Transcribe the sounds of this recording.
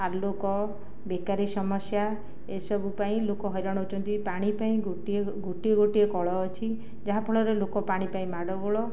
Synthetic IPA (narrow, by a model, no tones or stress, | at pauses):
aɾlokɔ | bekaɾisɔmɔsja | esɔbupaĩlokɔɦɔjɾɔɽ̃ɔɦut͡ʃʰɔnt̪ipaɽ̃ipaĩɡoʈie | ɡoʈieɡoʈiekɔɭɔːt͡ʃʰi | d͡ʒaɦapʰɔɭɔɾelokɔpaɽ̃ipaĩmaɽɔɡɔɭɔ